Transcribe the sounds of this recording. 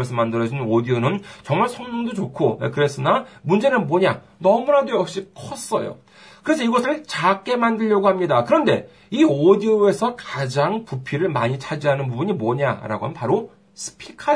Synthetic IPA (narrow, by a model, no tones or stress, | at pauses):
ʌɭsʰɯmandɯɾʌd͡ʑinodionɯnt͡ɕʌŋmaɭsʰʌŋnoŋdot͡ɕokʰoḛkɯɾe̞s͈ɯnamund͡ʑe̞nɯnmoɲa | nʌmunadweʌp̚ɕ͈ikʰʌs͈ʌ̰jo̰ | kɯɾe̞sʰʌiɡʌsʰɯɭt͡ɕak͈e̞mandɯʎjʌɡohamɲidakɯɾʌnde̞ | iodioe̞sʰʌkad͡ʑaŋpupʰiɾɯɭmaɲit͡ɕʰad͡ʑiɦanɯnpubuɲimoɲa̰ɾa̰ɡo̰ɦanpaɾo | sʰɯ̥pʰikʰa